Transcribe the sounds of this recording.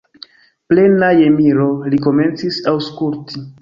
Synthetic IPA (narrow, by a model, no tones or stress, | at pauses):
ple̞najemiɾo̞liko̞me̞nt͡sisawskulti